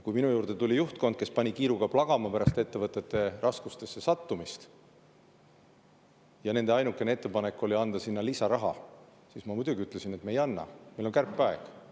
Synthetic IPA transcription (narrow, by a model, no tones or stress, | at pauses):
kujminujuːrd̪e̞t̪ulʲijuht̪̚ko̞nd̪̥̚ke̞spɑnʲikiːɾuɡ̥ɑplɑɡ̥ɑmɑpæɾɑst̪e̞t̪ːe̞vɤt̪ːˑe̞t̪ːˑe̞rʔɑskust̪e̞sːe̞sɑt̪ːumist̪ | jɑne̞nd̪e̞ɑjnukːˑe̞nee̞t̪ˑːe̞pɑne̞kːˑo̞lʲiɑnd̪̥ɑsinːɑlisɑɾɑɦɑ̰ | sismɑmud̪ʲuɡiyt̪ːˑle̞sine̞t̪mejɑnːɑ̰mejlo̞nkærpːˑɑeɡ̥